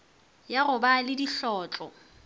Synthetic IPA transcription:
jaɣʊbalɪdiɬɔːt͡ɬʼɔ

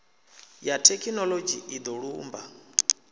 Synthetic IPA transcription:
jatʰɛkʰinɔlod͡ʒiid̪ɔɺuːmba

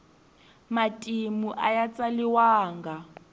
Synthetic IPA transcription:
matʼimuʔajat͡sʼaliwaːŋɡa

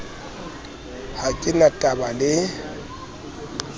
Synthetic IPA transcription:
hakʼɪnatʼabalɪ

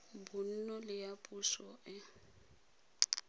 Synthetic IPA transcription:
bʊn̩nɔlɪjapʼusɔɪ

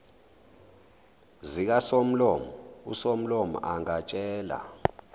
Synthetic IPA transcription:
zik̬asom̩lɔmɔṵsom̩lɔmɔ̰ʔaŋat͡ʃʼɛːla̰

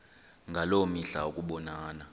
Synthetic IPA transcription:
ŋɡʱalomiɬa̰ukʼuɓɔnaːna

